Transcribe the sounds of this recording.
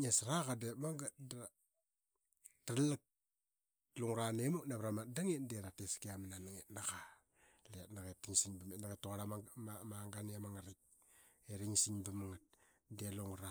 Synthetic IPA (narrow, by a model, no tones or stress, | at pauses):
ɲesɾakademaŋɡad | talak̚ | luŋɾanemoknaβɾamatdaŋetdeɾateskeamananaŋetnaka | letnaɣetːiŋsiŋbametnaɡatːoaɾamaŋɡaneamaŋaɾik̚ | eɾiŋsiŋbamaŋat̚ | deluŋɾa